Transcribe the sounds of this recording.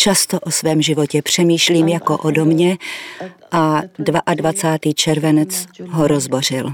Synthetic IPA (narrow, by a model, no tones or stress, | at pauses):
t͡ʃast̪oʔosvɛːmʒɪvo̞cɛpr̝̥ɛmiːʃliːmjakoʔodomɲɛ | ʔadvaʔadvat͡saːt̪iːt͡ʃɛɾvɛnɛt͡sɦoɾozbo̞r̝ɪl